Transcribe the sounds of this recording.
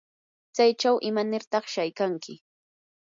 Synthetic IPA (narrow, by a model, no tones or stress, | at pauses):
t͡sajt͡ʃawʔɪmanɪɾt̪ɑχʃajkaŋkʰɪ